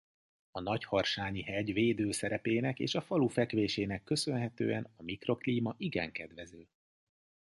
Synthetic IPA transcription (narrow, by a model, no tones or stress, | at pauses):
ɒnɒchɒrʃaːɲiɦɛɟveːd̪øːsɛɾɛpeːnɛkḛːʃɒfɒlufɛkʋeːʃeːnɛkːø̞sø̞nɦɛt̪ø̰ːɛ̰nɒmikro̞kliːmɒʔiɡɛ̰ŋkɛd̪ʋɛzøː